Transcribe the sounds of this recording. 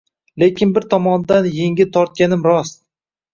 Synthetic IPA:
le̞kʲʰɪnbɪɾt̪ʰɒmɒnd̪anjeŋʲɪt̪ʰɒɾt̪̚kʲanɪmɾɒs

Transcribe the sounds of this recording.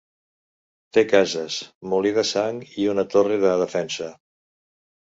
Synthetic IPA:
t̪ekazəsmuliðəsaŋiunət̪oreðəðəfɛnsə

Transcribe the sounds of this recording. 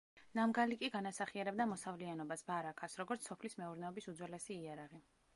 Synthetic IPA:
namɡalikʼiɡanasaχiaɾɛb̚d̪amɔsavlianɔbasbaɾakʰasɾɔɡɔɾt̪ssɔpʰlismɛuɾnɛɔbisud̪zwɛlɛsiːaɾaʁi

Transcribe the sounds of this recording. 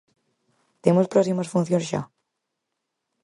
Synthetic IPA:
t̪emospɾɔsiməsfun̟θjonsʒa̰

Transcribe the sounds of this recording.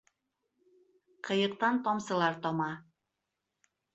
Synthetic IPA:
qʰɤ̆jɤ̆q̚t̪ɑnt̪ɔmsɤ̆lˠɑɾt̪ɒmɑ

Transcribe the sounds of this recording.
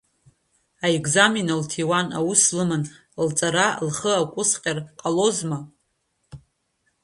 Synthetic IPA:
aeɡzaminaltʰiwana̰wuslɨmɨn | lt͡sʼaɾalχəakʷʼʊsqʲʼarqʼalo̞zma

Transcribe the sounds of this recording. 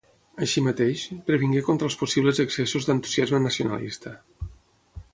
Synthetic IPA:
əʃimət̪eʃpɾəβiŋɡekont̪ɾəlˠspusiβləzəksesuzd̪ənt̪u̥ziazmənəsiunə̰lḭst̪ə

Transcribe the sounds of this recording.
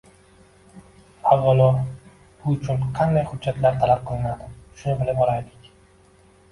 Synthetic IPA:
azvɒlˠɒ | b̥ʊʊt͡ʃʰʊnqʰɑnd̪ajhʊd̪d͡ʒːat̪laɾt̪ʰalap̚qʰɨlˠɪnad̪ɪʃʊnɪbɪlɪbɒɾajlɪkʲ

